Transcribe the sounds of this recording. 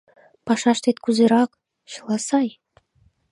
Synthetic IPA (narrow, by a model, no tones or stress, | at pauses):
pɑʃɑʃt̪et̪̚kuzeɾɑk | ɕɤ̆lˠɑsɑj